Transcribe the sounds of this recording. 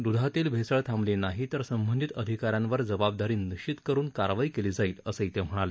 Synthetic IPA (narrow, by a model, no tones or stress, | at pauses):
d̪ud̪ʱat̪iːlbʱesəɭt̪ʰamlenaɦit̪əɾsəmbənd̪it̪əd̪ʱikaɾjãnʋəɾd͡zəbab̚d̪aɾiːniɕt͡ɕit̪kəɾuːnkaɾʋaikeliːd͡zaiːləsəit̪ʰem̤əɽ̃ale